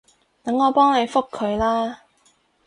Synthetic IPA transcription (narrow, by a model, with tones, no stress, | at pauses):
t̪ɐ˨˥ŋːɔː˨˧pɔː˥ŋne˨˧jfʊ˥kʰːɵ˨˧ɥlaː˥